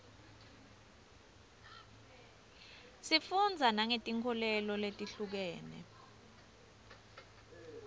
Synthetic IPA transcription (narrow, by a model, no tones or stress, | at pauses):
sifund͡zʱanaŋetʼiŋkʰɔlɛlɔletʼiɬuk̬ɛːnɛ̰